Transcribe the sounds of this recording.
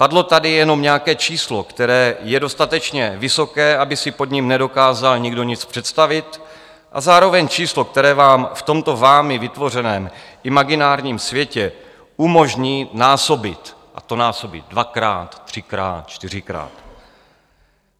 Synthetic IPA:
padlo̞t̪adɪjɛno̞mɲɛakɛːt͡ʃiːslo̞kt̪ɛɾɛːjɛdo̞st̪at̪ɛt͡ʃɲɛvɪso̞kɛːʔabɪsɪpo̞d̪ɲimnɛdo̞kaːzalɲɪɡdo̞ɲɪt͡spr̝̥ɛt̪st̪avɪt̪ | ʔa̰zaːɾo̞vɛɲt͡ʃiːslo̞k̚t̪ɛɾɛːvaːmft̪o̞mt̪o̞vaːmɪvɪt̪vo̞r̝ɛnɛːmʔɪmaɡɪnaːɾɲiːmsvjɛcɛ | umo̞ʒɲiːnaːso̞bɪt̪ʔa̰t̪o̞naːso̞bɪ̰t̪̚dvakɾa̰ːt̪ːr̝̥ɪkɾa̰ːt̪̚t͡ʃt̪ɪr̝ɪkɾa̰ːt̪

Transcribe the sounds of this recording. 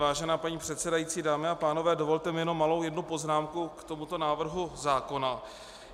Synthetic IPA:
vaːʒɛnaːpaɲiːpr̥ɛt̪sɛdajit͡siːdaːmɪapaːno̞vɛːdo̞vo̞lt̪ɛmɪjɛnomːalo̞wjɛdnupo̞znaːmkukt̪o̞mut̪o̞naːvr̩ɦuzaːko̞na

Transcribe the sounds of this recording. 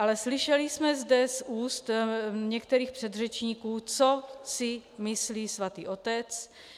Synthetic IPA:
ʔalɛslɪʃɛlismɛzdɛsuːst̪ɲɛkt̪ɛɾiːxpr̝̥ɛd̪rɛt͡ʃɲikuːt͡sosɪmɪsliːsvat̪iːʔo̞t̪ɛt͡s

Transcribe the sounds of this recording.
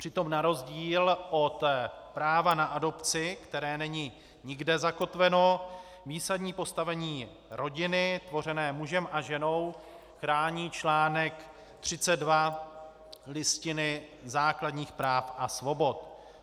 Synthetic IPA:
pr̥ɪt̪o̞mnaɾo̞zɟiːlʔo̞t̪pɾaːvanaʔado̞pt͡sɪkt̪ɛɾɛːnɛɲɪ | ɲɪɡdɛzako̞t̪vɛno̞ | viːsadɲiːpo̞st̪avɛɲiː | ɾo̞ɟɪnɪt̪vo̞r̝ɛnɛːmuʒɛmʔaʒɛno̞w | xɾaːɲiːt͡ʃlaːnɛk | t̪r̝̥ɪt͡sɛd̪̚va | lɪscɪnɪzaːkladɲiːxpɾaːfʔasvo̞bo̞t̪

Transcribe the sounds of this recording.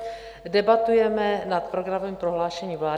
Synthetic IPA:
dɛbat̪ujɛmɛnat̪pɾo̞ɡɾavimpɾo̞ɦlaːʃɛɲiːvlaː

